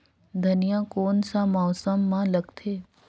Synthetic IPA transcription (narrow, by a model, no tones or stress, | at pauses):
d̪ʱɐnijãkoːnsamɔːsəmːãlɐɡt̪ʰeː